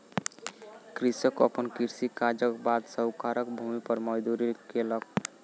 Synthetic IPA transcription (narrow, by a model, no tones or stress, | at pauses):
kɾisəkə̰pənkiɾsikad͡ʒəkbad̪səwkaɾəkbʱumipəɾməjd̪uɾikelək̚